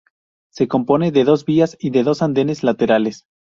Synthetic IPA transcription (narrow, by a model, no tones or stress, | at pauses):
se̞ko̞mpo̞ne̞ðe̞ðo̞zβiasiðe̞ðo̞sand̪e̞ne̞zlat̪e̞ɾale̞s